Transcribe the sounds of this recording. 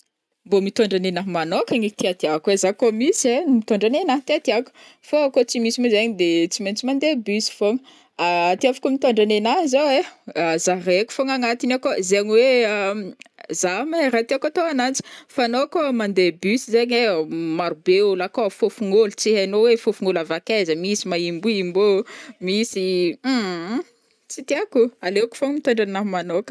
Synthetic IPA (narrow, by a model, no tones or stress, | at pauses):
mbomit̪oɳɖ͡ʐanenaɦmanokaŋit̪iat̪iakwezakomisiemit̪oɳɖ͡ʐanenaɦt̪iat̪iaku̥ | foakot͡simisimizaɲd̪et͡siment͡simand̪ebysi̥foŋ | aːt̪iafḁkomit̪oɳɖ͡ʐanenazawezareku̥foŋaŋat̪inakozeɲiwe | zamerat̪iakat̪oanant͡si̥fanokomand̪ebysizeɲemaɾubewlakofofuŋolt͡siɦanowefofuŋolavakezəmisimaimbuimbomisi | t͡sit̪iakualeku̥foŋmit̪aɳɖ͡ʐanamanokə̥